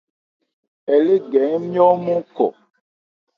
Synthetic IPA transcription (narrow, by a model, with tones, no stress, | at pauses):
ɛ˨le˦ɡɛ˨˦ŋmĩ˦ɔ̃˦mũ˦kɔ̰˨